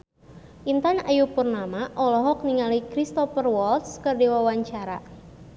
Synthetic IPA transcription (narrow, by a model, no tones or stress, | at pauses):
ʔint̪anajupurnamaʔɔlɔɦɔk̚niŋalikɾist̪ɔfərwɔlt̪skərdiwawaɲt͡ʃaɾa